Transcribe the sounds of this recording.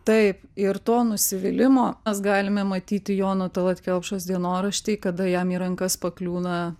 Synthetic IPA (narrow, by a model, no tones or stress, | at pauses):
t̪ɐɪpɪɾt̪oːnʊsʲɪʋʲɪlʲɪmoːɛsɡɑːlʲɪmʲɛmɐt̪ʲiːt̪ʲɪjoːnot̪ɐlˠɐt̪ʲkʲɛlˠpʃoːsd̪ʲiɛnoːɾɐʃʲt̪ʲiːkɐd̪ɐjɛmiːɾɐŋkɐspɐklʲuːnɐ